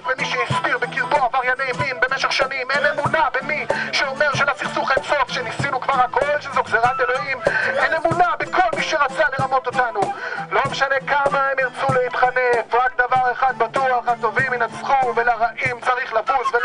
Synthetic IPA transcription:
bemiʃejispiʁbekiʁboavaʁjanevinbe̞meʃeχʃanimenemunabemiʃeo̞meʁʃelasiχsuχaemso̞fʃemnisinukvaʁakolʃezokzeʁat̪elo̞himʔenemunabekʰo̞lmiʃeʁat͡saleʁamo̞t̪o̞t̪anulo̞meʃane̞kamaemjaʁt͡suleit̪χanefvʁak̚d̪avaʁeχad̪̚bat̪uaχat̪o̞viminasχumvelaʁaʔimt͡saʁiχlafusve

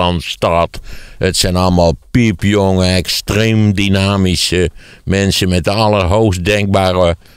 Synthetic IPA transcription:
ɔnstɔtətsɛnɔlˠəmalˠpipjoŋəɛkstreːmdinaːmisə | mɛnsənmɛt̚dəɑlˠərɦowxsdɛŋk̚baːrə

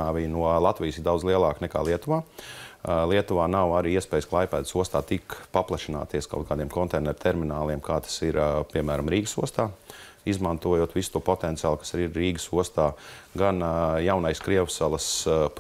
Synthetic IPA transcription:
aːʋijnuɔlˠat̪vʋijsiɾd̪awd̪zlˠiɛlˠaːknɛka̰ːlˠiɛt̪uvaː | lˠiɛt̪uvaːnawaɾiiɛspɛːjsklˠajpæːt̪suɔst̪aːt̪ikpaplˠaʃina̰ːt̪iɛska̰wt̪̚kaːd̪iɛmkɔnt̪ɛːnɛɾt̪ʰɛɾminaːlˠiɛmkaːt̪ḁsiɾpiɛmæːɾamɾiːɡəsuɔst̪aː | izmant̪uɔjoːt̪ʋisu̥t̪uːɔpot̪ɛnt̪sijaːlˠkḁsaɾiiɾːiːɡəsuɔst̪aːɡanjawnajskɾiɛʋsalˠəsp

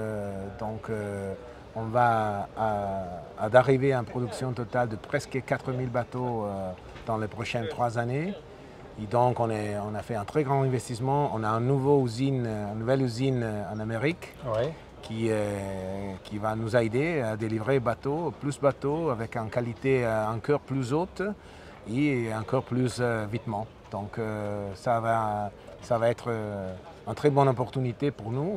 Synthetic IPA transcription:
d̪ɔ̃kø | ɔ̃vaaː | d̪aʁiveanpχɔd̪yksjɔ̃t̪ɔt̪ald̪əpχɛskəkat̪χəmilbat̪oø | d̪̥ɑ̃lepχɔʃɛnt̪χwazane | ed̪ɔ̃kɔ̃nɛɔ̃nafɛɛ̃t̪χɛɡʁɑ̃ɛ̃vɛst̪ismɑ̃ɔ̃naɛ̃nuvoyzinɛ̃nnuvɛlyzinɑ̃nameʁikwɛ | kʰːiø | kʲivanuzaed̪ead̪elivʁebat̪oplysbat̪oavɛkynkalit̪eɛ̃kœʁplyzot̪ | eɑ̃kɔʁplysøvit̪mɑ̃ | d̪̥ɔ̃køsavasavaɛt̪χə | ynt̪χɛbɔnɔpɔʁt̪ynit̪epuʁnu

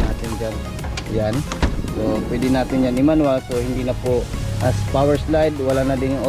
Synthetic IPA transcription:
naːt̪ɪnd͡ʒan | jan | sopwɛd̪ɪnaːt̪ɪnd͡ʒanɪmanwasohɪnd̪inɐpʊʔɐspawɛɹslajd̪wɐlanɐd̪ɪŋo

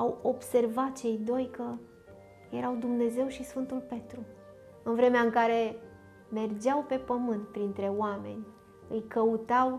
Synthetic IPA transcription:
awo̞b̥se̞rvat̪̚t͡ʃe̞jd̪o̞jkə | je̞ɾawd̪umne̞ze̞wʃisfɨnt̪ulpe̞t̪ɾu | ɨnvɾe̞meaɨŋkaɾe̞ | me̞rd͡ʒawpe̞pəmɨnt̪̚pɾint̪ɾe̞oame̞̰nʲ | ɨjkʰəut̪aw

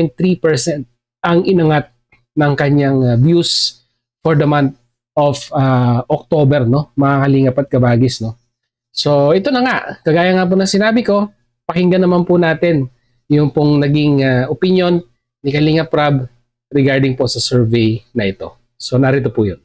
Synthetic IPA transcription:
jnt̪ɾipɛɹsɛnt̪̚ | ʔɐŋʔɪnɐŋat̪̚ | nɐŋkɐɲaŋbjus | foɹd̪ɐmant̪̚ | ʔofaʔok̚t̪oːbɛɾno̞mɐakɐliːŋɐpɐt̪̚kɐbaːɡɪsno̞ | so̞ʔɛt̪o̞nɐŋaʔkɐɡaːjɐŋap̬ʊnɐŋsɪnaːbɪko̞ | pɐkɪŋɡɐnɐmanpʊnaːt̪ɛn | jʊŋpʊŋnɐɡiŋaʔopɪnjo̞nː | ɪkɐliːŋɐpɾab | ɾɛɡaɹd̪ɪŋpo̞sɐsɛɹvɛjnɐʔɪt̪o̞̰ | so̞nɐɾit̪opujon

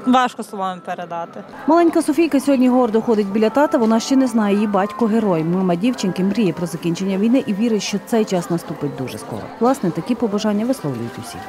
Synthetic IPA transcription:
ʋɑʃkɔslˠɔʋɑmpeɾed̪ɑt̪ɪ | mɐlˠɛnʲkɐsɔfʲijkɐsʲɔɦɔdʲnʲiɦɔrd̪ɔxɔd̪ɪtʲbʲilʲɐt̪ɑt̪ɐʋɔnɑʃt͡ʃɛnɛznɑjɛjibɑtʲkʊɦeɾɔjmɪmɐdʲiwt͡ʃenkɪmɾʲijɛpɾɔzɐkʲinʲt͡ʃenʲːɐʋʲijnɪʔiʋʲiɾɪtʲʃt͡ʃɔt̪sɛjt͡ʃɑsnɐst̪upɪt̚ʲd̪uʒɛ̰skɔ̰ɾɔ̰ʋlˠɑsnɛt̪ɐkʲipɔbɐʒɑnʲːɐʋɪslˠɔwlʲʊ̰jʊtʲʊwsʲḭx

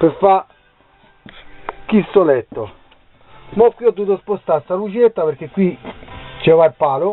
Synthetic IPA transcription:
pefːa | k̟ːist̪olɛt̪ːo | mɔkːwiɔd̪ːuːt̪ospost̪ast̪alut͡ʃɛt̪ːapeɾk̟ːekːwit͡ʃɛvailpaːlʊ

